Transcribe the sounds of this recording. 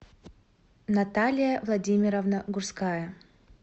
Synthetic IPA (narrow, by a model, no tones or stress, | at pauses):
nɐt̪alʲɪjəvlˠɐdʲimʲɪɾəvnəɡʊrskajə